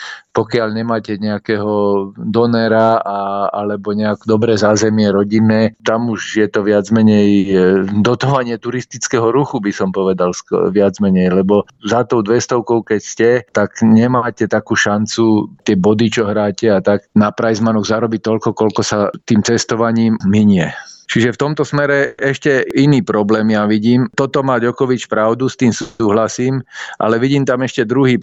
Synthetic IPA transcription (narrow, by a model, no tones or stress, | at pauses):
pɔkɪaʎɲɛmaːcɛɲɛakɛːɦɔd̪ɔnɛɾaaalɛbɔɲɛakd̪ɔbɾɛːzaːzɛmɪɛɾɔɟinːɛːt̪amuʒjɛt̪ɔʋɪad͡zmɛɲɛjd̪ɔt̪ɔʋaɲɪɛt̪uɾist̪it͡skɛɦɔɾuxubisɔmpɔʋɛd̪alsʋɪad͡zmɛɲɛjlɛbɔ | zat̪ɔʊd̪ʋɛst̪ɔʊkɔʊkɛcscɛt̪aɡɲɛmaːcɛt̪akuːʃant͡sut̪ɪɛbɔd̪it͡ʃɔɦɾaːcɛat̪aknapɾajzmanɔɣzaɾɔbit̪ɔʎkɔkɔlkɔsat̪iːmt͡sɛst̪ɔʋaɲiːmːiɲɪɛt͡ʃiʒɛft̪ɔmt̪ɔsmɛɾɛɛʃcɛʔiniːpɾɔblɛːmijaʋiɟiːmt̪ɔt̪ɔmaːɟɔkɔʋit͡ʃpɾaʊd̪ust̪iːmsuːɦlasiːmʔa̰lɛʋiɟiːmt̪amɛʃcɛd̪ɾuɦiː